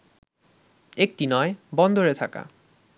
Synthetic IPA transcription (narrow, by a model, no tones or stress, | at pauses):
ek̚ʈinɔebɔnd̪oɾet̪ʰaka̰